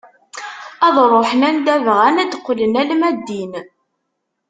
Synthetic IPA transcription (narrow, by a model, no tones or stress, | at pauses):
æðˤɾˤoħənænd̪ævʁænæd̪qʷːlənælmæd̪ːin